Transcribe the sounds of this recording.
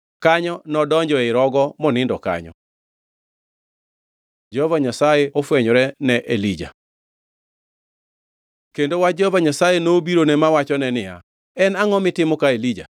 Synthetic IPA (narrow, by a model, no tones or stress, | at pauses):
kaɲɔnɔdɔɲd͡ʒɔɪɾɔɡɔmɔnɪndɔka̰ɲɔ̰ | d͡ʒɔvaɲasajɛɔfwɛɲɔɾɛnɛʔelid͡ʒa̰ | kendowad͡ʒɔvaɲasajenoːbiɾonɛmawat͡ʃɔnɛnɪja̰ | ɛnaŋɔmɪtɪmɔkaelid͡ʒa̰